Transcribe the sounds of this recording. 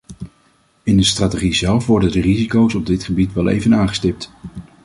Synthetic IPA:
ɪndəstraːtəχizɛlˠfʋɔɹdəndərizikowsɔb̚dɪtχəbitʋɛlˠḛjvənaːŋχə̥stɪp̚t

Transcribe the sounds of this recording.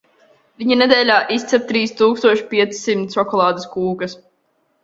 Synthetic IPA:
viɲinɛd̪ɛːlʲaːʔist̪sɛp̚t̪ɾiːst̪uːkst̪uɔʃi̥pʲiɛt̪ssimt̪sɔkɔlˠaːd̪ɐskuːkɐs

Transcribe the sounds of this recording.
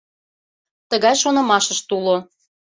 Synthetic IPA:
t̪əɣɑjʃonɤ̆mɑʃəʃt̪ulo

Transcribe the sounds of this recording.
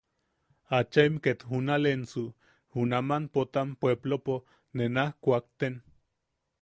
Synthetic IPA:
at͡ʃaimket̪hunalensu | hunamanpot̪ampweblopo | nenahkʷak̚t̪en

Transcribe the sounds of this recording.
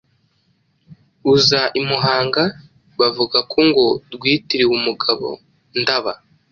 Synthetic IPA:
uzaʔimuɦaːŋɡa | βavuɡakʰoŋɡo̞ɾɡwiːtiɾiwumuɡaβo̞̰ | ndaβa

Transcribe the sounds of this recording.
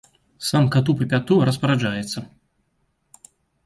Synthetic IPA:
samkat̪upɨpʲat̪uɾɐspɐɾad͡ʒajɛt̪sːɐ

